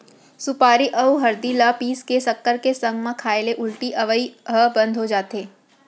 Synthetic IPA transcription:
sʊpaːɾiʔɐuɦɐɾd̪ilapiːskesɐkːəɾkesɐ̃ŋɡmãkʰaːeleʔʊlʈiʔɐʋəiɦəbɐ̃nd̪ʱɦod͡ʒaːt̪ɦeː

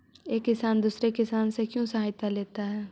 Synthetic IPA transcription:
eːkːɪsaːnd̪uːsɾekɪsaːnsekjõsəɦaːjt̪aleːt̪aɦɛː

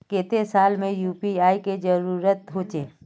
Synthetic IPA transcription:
keːt̪esaːlmẽjuːpiaːiked͡ʒəɾuːɾət̪ɦoːt͡ʃeː

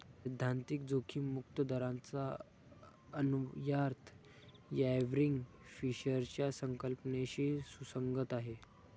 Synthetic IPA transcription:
d̪ʱːant̪ik̚d͡zokʰiːmukt̪əd̪əɾãnt͡sa | ənujaɾt̪ʰ | jɛʋɾiŋɡ | fiɕəɾt͡ɕjasəŋkəlpɳeɕiːsusəŋɡət̪aɦe

